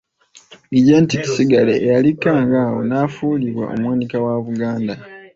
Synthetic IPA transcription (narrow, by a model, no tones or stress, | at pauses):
iɟentici̥siɡaleʔːjalikːaːŋɡaːwo̰naːfuːliβwa̰ʔo̞̰mwaːnikawaβuɡaːnda